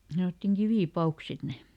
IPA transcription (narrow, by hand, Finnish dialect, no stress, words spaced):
sɑnotːiŋ kiʋiˑpɑuks sit ne